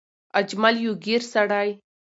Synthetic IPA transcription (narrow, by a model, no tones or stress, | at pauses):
ɐd͡ʒmaljuɡiɾsaɽaːj